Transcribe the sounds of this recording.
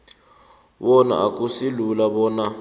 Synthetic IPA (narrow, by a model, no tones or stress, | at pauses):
wɔna̰ak̬ʼusilulaɓɔːna